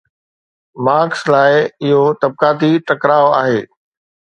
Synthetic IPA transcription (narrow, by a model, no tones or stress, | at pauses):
maːkslaːɪɪɦot̪ɐb̚kaːt̪iʈɐkɾaːoa̰ːɦeː